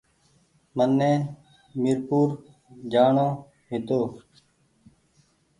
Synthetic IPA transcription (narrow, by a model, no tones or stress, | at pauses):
mənːẽː | miɾpuːɾ | d͡ʒaːɳõː | ɦɪt̪oː